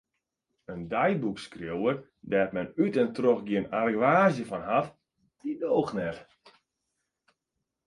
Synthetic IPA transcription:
əndɛjbukskrjowər | dɛːtmɛnytɛntroxɡiənarɡʋaːzjəfɔnɦaf | d̥idoːxnɛr

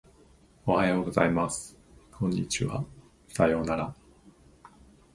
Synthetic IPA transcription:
o̞hajo̞ːɡo̞zaimasɨ̥kʰõ̞ɲ̟ːit͡ɕiβa̰ | sajo̞ːnaɾa

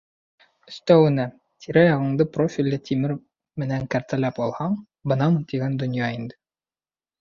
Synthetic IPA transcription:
ɵ̆st̪æwɘ̆næ | t̪ʰiɾæjɑʁɤ̆ɴd̪ɤprofʲilʲːɘt̪ʰimɘɾ | mɘ̆næŋkæɾt̪ælæpɒlˠhɑɴ | bɤ̆nɑmt̪iɡænd̪ŏnjɑind̪ɘ

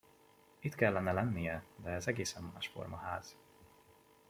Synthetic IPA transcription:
it̪kɛlːɛnɛlɛnːijɛd̪ɛːzɛɡeːsɛmmaːʃfo̞̰rmɒhaːz̥

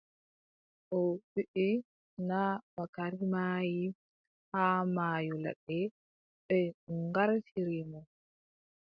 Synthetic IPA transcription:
ʔɔwiʔi | nabakaɾimaːji | haːmaːjɔla̰ɗɛ | ɓɛɡaɾfiɾimɔ

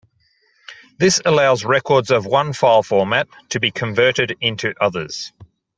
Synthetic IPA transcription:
ðɪsəlaʊzɹɛkɔdzəvwʌ̃nfaɪlˠfɔːmætʰəbikʰə̃ɱvɜˑɾɪɾɪ̃ntʰʉʔʌðə̰z̥

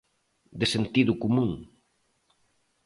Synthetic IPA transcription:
d̪esent̪iðʊkumũŋ

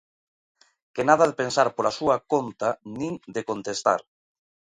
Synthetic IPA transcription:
kenað̞aðepensaɾpoɾasuakont̪anĩŋd̪ekont̪est̪a̰ɾ

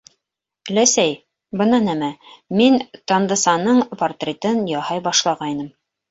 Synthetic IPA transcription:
læsæj | bɤ̆nɑnæmæmint̪ɑnd̪ɤ̆sɑnɤɴport̪rʲet̪ɤnjɑhɑjbɑʃlˠɑʁɑjnɤm

